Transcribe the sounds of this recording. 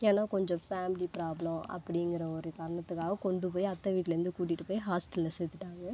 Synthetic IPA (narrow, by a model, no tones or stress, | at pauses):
eːnːaːkɔɲd͡ʒɔ̃faːmɪlipɪɾaːblɐmɐ̰pːɐɽɪŋɡɪɾɐɔɾɯkɐɾɐɳɐt̪ːɯkːaːɣɐkɔɳɖɯp̬oːjiɐt̪ːɐʋiːʈːɪlɐɾɪnd̪ɯkuːʈ̬ːɪʈːɯpoːjiɦaːsʈɐlːɐsɛːt̪ːɯʈːaːŋɡɐ